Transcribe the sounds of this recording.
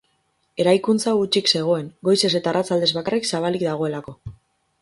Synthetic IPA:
e̞ɾajkunt͡saɣut͡ʃikse̞ɣ̞o̞e̞ŋɡo̞jse̞se̞t̪aːrat͡sald̪e̞zβakariksaβ̞alikd̪aɣ̞o̞e̞lako̞

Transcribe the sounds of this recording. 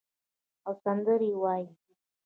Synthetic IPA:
awsand̪əɾiwɑːj

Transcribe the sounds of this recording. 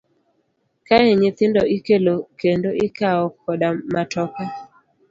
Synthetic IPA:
kaɛɲɪt̪ɪndɔʔɪkelokendoʔɪkaɔkɔdamatɔka

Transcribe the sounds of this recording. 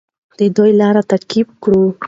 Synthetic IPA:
d̪̥əd̪ojlɑɾat̪aɾkibkɽu

